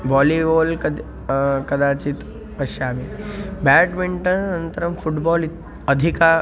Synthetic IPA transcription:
ʋɔːliʋoːlkɐ | kɐd̪aːt͡ʃit̪ | pɐʃaːmibɛːʈʋiɳʈənɐnt̪əɾəmfuʈbɔːli | əd̪ʱika

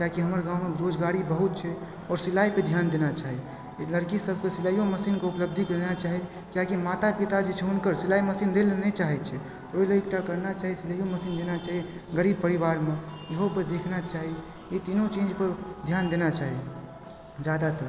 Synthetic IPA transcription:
kjakiɦəməɾɡãumeɾod͡ʒɡaɾibəɦut̪̚t͡ʃʰɛ | ɔːɾsilaiped̪ʱjand̪enat͡ʃaɦi | ləɾkisəbʱkesiləjoməsinkeupləb̚d̪ʱikəɾɛnat͡ʃaɦi | kjakimat̪apit̪ad͡ʒet͡ʃʰɛunkəɾsilaiməsind̪elenet͡ʃaɦɛt̪t͡ʃʰɛ | oiləik̚ʈ̪akəɾnat͡ʃaɦisiləjoməsind̪enat͡ʃaɦieɡəɽib̚pəɾibaɾmejəɦoped̪ekʰnat͡ʃaɦi | it̪inõt͡ʃẽːd͡ʒpəɾd̪ʱjand̪enat͡ʃaɦi | d͡ʒad̪at̪əɾ

